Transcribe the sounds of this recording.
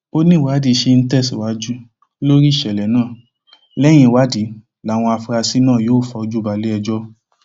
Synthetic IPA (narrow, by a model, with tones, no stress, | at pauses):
o˦nĩ˦˨wa˨˦di˨˦ʃe˧n̩˦tɛ˦˨si˨wa˨˦d͡ʒu˦ | lo˦ɾi˦˨ʃɛ˨lɛ˨nãː˦˨ | lɛ˦j̃ĩ˧˦˨wa˨˦di˨˦ | la˨˦˨w̃ɔ̃˧a˧fɾa˧si˦nãː˦˨joː˦˨fɔ˧˦˧d͡ʒu˦ba˨˧le˦ɛ˧d͡ʒɔ˦